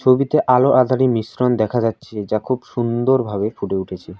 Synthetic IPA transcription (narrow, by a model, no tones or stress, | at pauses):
t͡ɕʰobit̪eʔaloʔad̪ʱaɾimisɾond̪ɛkʰad͡ʑatːɕʰed͡ʑakʰubʃund̪oɾbʱaβefʰuʈeuʈʰet͡ɕʰe